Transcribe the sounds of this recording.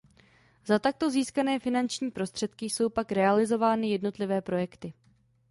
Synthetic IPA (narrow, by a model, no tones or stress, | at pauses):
zat̪ak̚t̪o̞ziːskanɛːfɪnant͡ʃɲiːpɾo̞st̪r̝̥ɛt̪kɪjso̞wpakɾɛalɪzo̞vaːnɪjɛdno̞t̪lɪvɛːpɾo̞jɛkt̪ɪ